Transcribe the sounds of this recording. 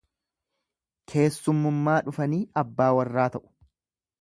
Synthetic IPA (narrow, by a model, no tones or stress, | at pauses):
kʰe̞ːsːʊmːʊmːaːᶑʊfɐniːʔɐbːaːwɐrːaːt̪ɐʔʊ̥